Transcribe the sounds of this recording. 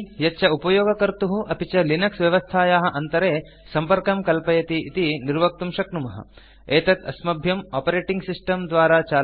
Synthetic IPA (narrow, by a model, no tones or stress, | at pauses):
jɐtːʃʰɐupɐjoːɡɐkɐɾt̪uɦuʔɐpit͡ʃɐlinɐksʋjɐʋɐst̪ʰaːjaːɦɐ̆ʔɐnt̪ɐɾeː | sɐmpɐɾkɐmkɐlpɐjɐt̪iʔit̪iniɾʋɐk̚t̪umʃɐkɳumɐɦɐ̰ | eːt̪ɐt̪ʰɐ̰smɐbʱjɐmaːpɐɾeːʈiŋɡsisʈɐmd̪ʋaːɾaːt͡ʃaː